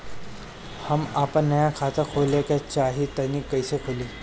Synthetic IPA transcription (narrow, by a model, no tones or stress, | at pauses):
həmaːpə̃nnːɐjakʰaːt̪akʰoːlekat͡ʃaːɦit̪ɐnikɐɪsekʰoːliː